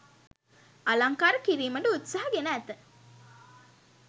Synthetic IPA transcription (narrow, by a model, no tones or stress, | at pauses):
alaŋkaːɾəkiɾiːməɖəut̪saɦaɡenəːt̪ə